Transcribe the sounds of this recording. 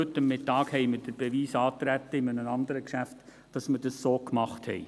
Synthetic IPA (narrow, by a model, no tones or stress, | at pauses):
ɵtːəmːɪtːɑːkhɛɪməɾd̥əɾb̥eviːsɑːt̪ɾæt̪ːəɪmənəɑndəɾəkʃæft | d̥ɑsmədɑsːoːkmɑχthɛ̰ɪ